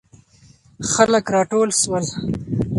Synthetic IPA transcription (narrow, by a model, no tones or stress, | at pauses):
xaləkɾɑːʈoːlswəl